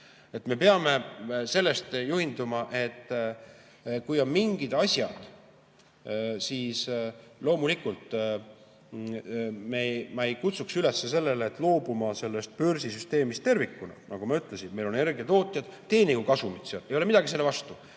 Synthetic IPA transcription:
e̞t̪me̞peɑme̞se̞lːe̞st̪juhind̪umɑʔe̞t̪ː | kujo̞nmiŋɡ̥id̪̥ɑsʲjɑd̪̥ | siːslo̞ːmulikult̪ˑ | memɑejkut̪suksyle̞sːes̬e̞lːe̞leːt̪ːˑlo̞ːbumɑse̞lːe̞st̪̚pørsisyst̪e̞ːmist̪e̞rvikːˑunɑ̰nɑɡ̥umɑyt̪ˑle̞sinme̞jlo̞ne̞rɡet̪o̞ːt̪ʲˑjɑd̪̥t̪ːe̞ːniɡ̥ukɑsumit̪seɑle̞jo̞lemid̪̥ɑɡiselːvɑst̪u

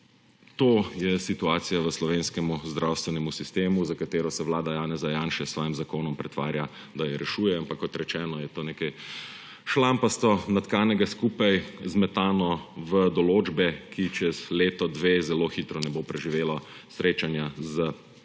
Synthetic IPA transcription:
t̪oːjɛsit̪uaːt̪sijaʋəslɔʋeːnskɛmuzd̪ɾawst̪ʋɛnɛmusist̪eːmuzakat̪eːɾɔsɛʋlaːd̪ajaːnɛzajaːnʃɛsːʋaːjimzakoːnɔmpɾɛt̪ʋa̰ːɾja | d̪ajɛɾʔɛʃuːjɛampakːɔt̪ɾɛt͡ʃɛːnɔjɛt̪oːnekɛj | ʃlampast̪ɔnat̪kaːnɛɡaskuːpajzmɛt̪aːnɔʋəd̪ɔloːd͡ʒbɛkʰit͡ʃɛzleːt̪ɔd̪ʋeːzɛloːxit̪ɾɔnɛbopɾɛʒiʋeːla | sɾeːt͡ʃanjazə

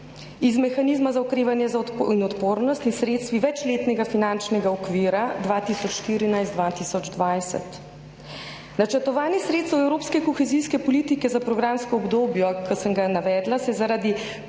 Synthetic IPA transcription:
izmɛxanizmazaɔkɾeːʋanjɛzainɔt̪poːɾnɔst̪insɾeːt̪st̪ʋiʋɛt͡ʃleːt̪nɛɡafinant͡ʃnɛɡaɔkʋiːɾad̪ʋaːt̪isɔt͡ʃʃt̪iːɾinajst̪d̪ʋaːt̪isɔd͡ʒd̪ʋajsɛ̰t̪ | nat͡ʃɛɾt̪ɔʋaːnixsɾeːt̪st̪wɛwɾoːpskɛkɔxɛziːskɛpɔliːt̪ikɛzapɾɔɡɾaːmskɔɔbd̪oːbjɔkəsəŋɡanaʋɛːd̪lasɛzaɾad̪i

